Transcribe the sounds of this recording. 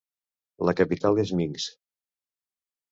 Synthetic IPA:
ləkəpit̪alˠezmiŋs

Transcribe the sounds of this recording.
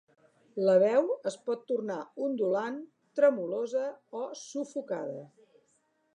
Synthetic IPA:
ləβ̞ɛwəspɔt̪ːurnaund̪ulan | t̪ɾəmulozəɔsufukaðə

